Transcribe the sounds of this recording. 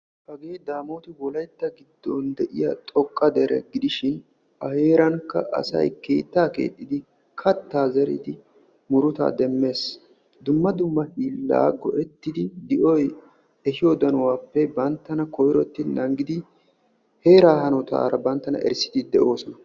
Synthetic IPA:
hɐɡe̞ːd̪aːmoːt̪ɪwɔlɐjt̪ːɐɡɪd̪ːɔnd̪ɛʔɪjɐt̪ʼɔkʼːɐd̪ɛɾɛ̰ɡɪd̪ɪʃɪn | ʔɐhe̞ːɾɐŋkːɐʔɐ̰sɐ̰jkeːt̪ːaːkḛːt̪ʼːɪd̪ɪ | kʰɐt̪ːaːzɛɾɪ̰d̪ɪ | mʊɾʊt̪a̰ːd̪ɛmːe̞ːs | d̪ʊmːɐd̪ʊmːɐhiːlːa̰ːɡɔʔɛt̪ːɪd̪ɪd̪ɪʔɔj | ɛɦɪjod̪ɐnʊwaːpːɛbɐnt̪ːɐnɐkɔjɾɔt̪ːɪnɐŋɡɪd̪ɪ | he̞ːɾaːhɐnɔt̪a̰ːɾɐbɐnt̪ːɐnɐ̰ʔɛ̰ɾsɪ̥t̪ɪd̪ɛʔo̞ːsɔnɐ

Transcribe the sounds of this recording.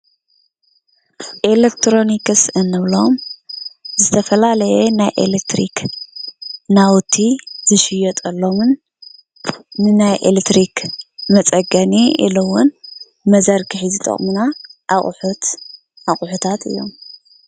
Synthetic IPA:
ʔelekt̪ʰɾo̞nikɨsʔɨnːɨβlom | zɨt̪ʰɐfɐlalɐjenajʔḛlek̚t̪ɾḭk | nawt̪ʰːizɨʃɪjot̪ʼɐlːomɨn | ɨnajʔelet̪ɾikmɐt͡sʼɐɡɐniḭlowʊn | mɐzɐɾɡɨħizɨt̪ʼɐ̰χʼmunaʔaχʼħut̪ | ʔaχʼħut̪ʰat̪ɨ̰jːo̞̰m

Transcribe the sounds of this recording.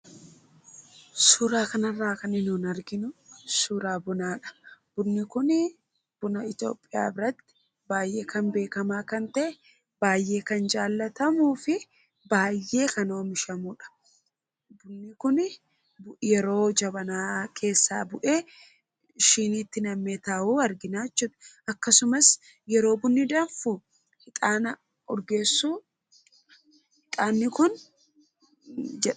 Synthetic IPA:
suːɾaːkɐnɐrːaːkɐnɪnuːnɐɾɡɪnʊsuːɾaːbʊnaːᶑɐ̥b̥ʊnːɪkʊn | b̥ʊnɐɪt̪o̞̰ːpʼːɪja̰ːbɪɾɐt̪ːɪ̥ | baːjʔe̞ːkɐnbe̞ːkɐmaːkɐnt̪ɐʔɛ | b̥aːjːe̞ːkɐnd͡ʒaːlːɐt̪ɐmuːfɪ | baːjːe̞ːkɐno̞ːmɪʃɐmʊᶑɐ̥ | bʊnːɪkʊn | bjɛɾo̞ːd͡ʒɐbɐnaːkʰe̞ːsːa̰ːbʊʔe̞ː | ʃiːniːt̪ːɪnɐmːeːt̪aːʔuːɐɾɡɪnaːt͡ʃːuːᶑɐ̥ɐkːɐsʊmɐs | jɛɾo̞ːbʊnːɪd̪aːfu | hɪt̪ʼaːnɐ | ɔɾɡeːsːuː | hɪt̪ʼaːnːɪkʊn | d͡ʒɛᶑ

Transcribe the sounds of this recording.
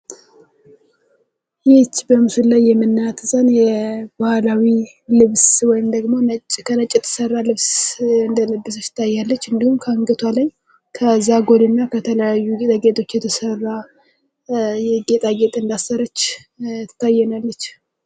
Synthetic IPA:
jɪt͡ʃːbəmɨsulajːɛmɨnːat̪zʼənjɛb̥ahalawi | lɨβswɔjɪmd̪əɡmo̞nət͡ʃkʰənət͡ʃʼːɛt̪ʰːə̥sərːalɨβsɨnd̪ələbːɨs̬ət͡ʃːɪ̥t̪ʰːajːalːət͡ʃːɨnd̪ihumkʰəɨŋɡət̪ʰwalaj | kʰəzːaɡo̞lɨnːakʰət̪ʰələjajːuɡet̪ʼaɡet̪ʼo̞t͡ʃːjɛt̪ʰəsərːa | jɛɡet̪ʼaɡe̞t̪ʼɨnd̪asːəɾət͡ʃː | t̪ʰːajːɛnalːət͡ʃː

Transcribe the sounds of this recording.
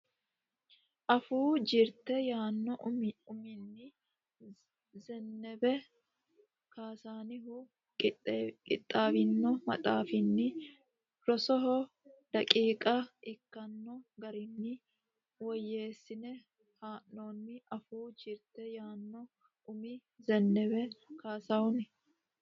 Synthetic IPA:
ʔɐfuːd͡ʒɪɾt̪ɛjaːnːɔʊmɪnːɪ | zɛnːɛbɛ | kaːsaːnɪɦʊ | kʼɪt̪ʼːaːbɪnːɔmɐ̰t̪ʼaːfɪnːɪ | ɾɔsɔɦɔ | d̪̥ɐkʼiːkʼɐʔɪkːɐnːɔɡɐɾɪnːɪ | wɔjːe̞ːsːɪnɛ | haːʔːoːnːɪʔɐfuːd͡ʒɪɾt̪ɛjaːnːɔ | ʊmɪ | zɛnːɛbɛkaːsawɔnɪ

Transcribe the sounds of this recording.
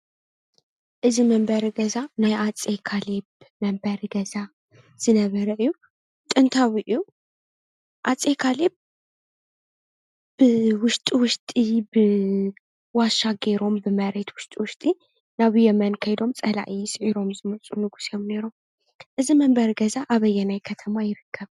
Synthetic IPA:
ʔɨziməmbəɾɡəzanajat͡sʼekʰaleb | məmbəɾɡəza | z̥ɨnəβəɾəʔɨjːu | t̪ʼɨnt̪ʰawiʔju | ʔat͡sʼekʰaleb̚ | b̥ɨwʊʃt̪ʼiwʊʃt̪ʼibɨ | waʃaɡeɾo̞mbɨməɾet̪wʊʃt̪ʼwʊʃt̪ʼi | naβɨjɛmənkʰəjd̪o̞mt͡sʼɐla̰ʔisɨʕiɾo̞mzimət͡sʼunɨɡu̥semneɾəwm | ʔɨziməmbəɾɡəzaʔaβəjːɛnajkʰət̪ʰəmajɪɾɨkʰːəβ

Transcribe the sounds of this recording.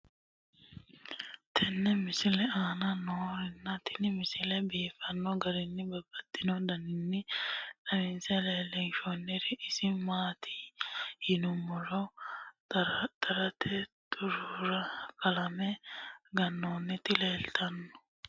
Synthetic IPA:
t̪ʰɛnːɛmɪsɪlɛaːnɐnoːɾɪnːɐt̪ɪnɪmɪsɪlɛbiːfɐnːɔɡɐɾɪnːɪbɐbːɐt̪ʼːɪnɔd̪ɐnɪnːɪᶑɐmɪnsɛleːlɛnʃonːɪɾɪʔɪsɪmaːt̪ʰihɪnʊmɔɾɔ | t̪ɐɾɐt̪ʰɛt̪ʼʊɾʊɾɐkɐlɐmɛɡɐnːoːnːɪt̪ɪleːlt̪ʰɐnːɔ̥

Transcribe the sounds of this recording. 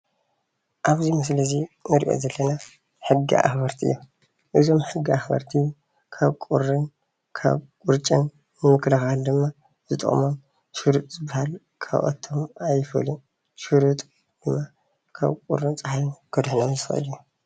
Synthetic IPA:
ʔaβzimɨs̬lɐzinɨɾʔo̰zɐlːɐna | ħɨɡḭʔa̰xbɐɾt̪ʰiɨ̰jːo | ʔɨzo̞mħɨɡːiaxbɐ̰ɾt̪ʰi | kʰaβkʼṵrːɨn | kʰa̰βkʼuɾt͡ʃʼɐn | nɨmɨklɐxald̪ɨmːa | zɨt̪ʼɨ̰χʼmon | ʃɨɾut̪ʼzɨbahal | kʰa̰βʔʼɐ̰t̪ʰːomajfɐ̰lun | ʃuɾut̪ʼ | d̪̥ɨmːa | kʰa̰βkʼṵrːɨnt͡sʼaħajunɡ̥od̪ħnamzɨxɐ̰ʔɨ̰lju

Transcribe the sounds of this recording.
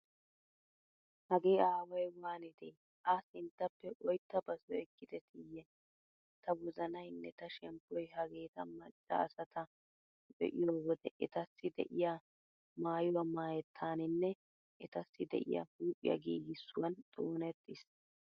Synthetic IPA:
hɐɡe̞ːaːwɐjwaːnɪd̪eː | ʔasɪnt̪ːɐpːɛʔɔjt̪ːɐbɐsɔɛkːɪd̪ɛt̪ɪjːɛ | t̪ʰɐwɔzɐnɐjnːɛt̪ɐʃɛmpːɔjɦɐɡeːt̪ɐmɐt͡ʃʼːɐ̰ːsɐt̪ʰɐ | bɛ̰ʔɪjoːwɔd̪ɛʔɛt̪ɐsːɪd̪ɛ̰ʔɪja | maːjʊwɐmaːjɛt̪ʰːaːnɪnːɛ | ʔɪt̪ɐsːɪd̪ɛ̰ʔɪ̰jɐ̰huːpʼːɪ̰jɐ̰ɡiːɡɪsːʊwɐnt̪ʼoːnɛt̪ːɪs

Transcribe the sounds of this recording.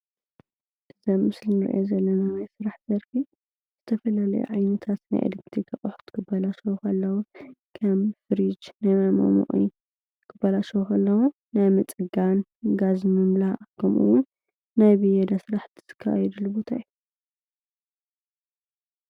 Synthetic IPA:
ʔɨzɐmːɨslinɨɾ̰ʔozɐlːɐnawajsɨɾaħzɐɾfi | z̥ɨt̪ʰɐfɐlalɐ̰jṵʕajnɐt̪ʰat̪na̰jʔḛlɐk̚t̪ʰɾik̪ʰɐχʼɐħu̥t̪kʰɨbɐlaʃɐwukʰɐlːɐwukʰɐmfɨɾid͡ʒnajmajmo̰mṵʔʼḭ | kʰɨbːɐlaʃɐwukʰɐlːɐwu | najmɨt͡sʼɨɡanɡazmɨmlaʔkʰɐmʔṵwʊn | najbɨjɛd̪asɨɾaħt̪ʰi̥z̥ɨ̥kʰːajɛd̪ulːubot̪ʰa̰jːu

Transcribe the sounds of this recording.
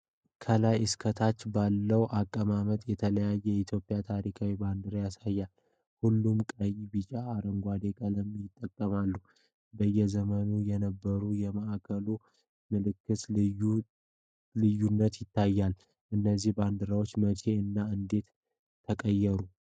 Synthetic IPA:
kʰəlajɨskʰət̪ʰat͡ʃːbalːəwʔakʼːəmamət̪ʼjɛt̪ʰələjajːɛit̪ʰjo̞pʼːjat̪ʰaɾikʰawiband̪ɨɾajasajːal | hulːumkʼəjibit͡ʃʼaːɾəŋɡʷad̪e̞kʼələmjɪt̪ʼːəkʼːəmalːu | bəjːɛzəmənujɛnəbːəɾujɛməʔakʰəlu | mɨlɨkːɨt̪u | lɨjːunːət̪jɪt̪ːajːal | ʔɨnːəzːihband̪ɨɾawot͡ʃːmət͡ʃʰe̞ɨnːaɨnd̪e̞t̪ʰː | əkʼəjːɛɾu

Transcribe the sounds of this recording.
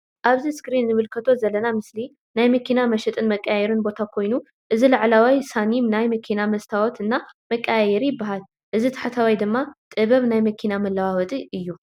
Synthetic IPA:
ʔaβziskɾinːɨβɨlkʰɐt̪ʰo̞zɐlːɐnamɨsli | najmɐkʰinamɐʃɛt̪ʼɨnmɐkʼːajɛɾɨnbo̞t̪ʰakʰo̞jnu | ʔɨzilaʕlawajsanimnajmɐkʰinamɐst̪ʰawɔt̪ɨnːamɐkʼːajjɛɾijɪbaɦal | ʔɨzit̪ʰḁħat̪ʰawajd̪ɨmːat̪ʼɨβɐβnajmɐkʰinamɐlːawawɔt̪ʼiʔɨjːu

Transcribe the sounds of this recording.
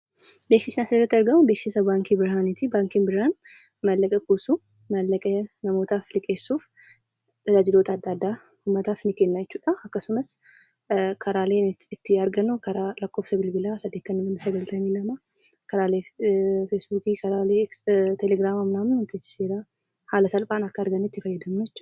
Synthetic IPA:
beksɪsɪnɐsɐd̪dɐt̪ːɐɾɡɐmubeːksɪsɐbaːŋkibɪɾɦaːnɪt̪ibaːŋkinbɪɾhan | mɐlːɐkʼɛkuːsu | mɐlːɐkʼɛnɐmo̞ːt̪aːflɪkʼe̞ːsːuːf | t̪ɐd͡ʒaːd͡ʒɪd̪o̞ːt̪ɐːd̪ːaːd̪ːaː | humːɐt̪aːfnɪkenːɐjɛt͡ʃːuːᶑɐɐkːɐsʊmɐs | kʰɐɾaːle̞ːnɪt̪ːɪɐɾɡɐnukɐɾaːlɐkːo̞ːfsɐbɪlbɪlaːsɐd̪ːe̞t̪ːɐnːɪnɐnsɐɡɐlt̪ʰɐmiːlɐma | kɐɾaːleːfesbuːkikʰɐɾaːleːt̪ʰɛlɛɡɾaːmɐmnaːmʊɪnt̪ɪseːɾa | haːlɐsɐlpʼaːnɐkːɐːɾɡɐnuɪt̪ːɪfɐjːɐd̪ɐnːuɛt͡ʃː

